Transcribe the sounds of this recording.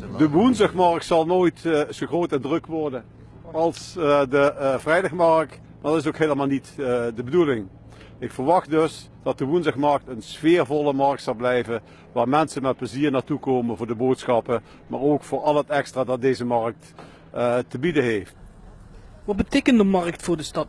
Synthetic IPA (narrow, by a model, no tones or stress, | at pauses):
dəʋunzəxmɑɹk̚tsɑlˠnoːjtsoxroːtɛndrɵkʋɔɹdən | ɑlˠsdəvrɛjdɑxmɑɹk̚t | maːɹdɑtɪs̬okɦeːləmaːlˠnitdəbədulɪŋ | ɪkfəɹʋɑχtdɵs | d̥ɑt̚dəʋunzəxmɑɹk̚tənsfɪːɹvɔləmɑɹk̚tsɑlˠblɛjvən | ʋaːɹmɛnsənmɛt̚pləziːɹnaːɹtukoːmənvʊːɹdəboːtsxɑpə | maːɹoːkfʊːɹɑlˠɦətɛkstraːdɑt̚dejzəmɑɹk̚t | təbidəɦeft | ʋɑt̚bətejkəndəmɑɹk̚tfʊːɹdəstɑt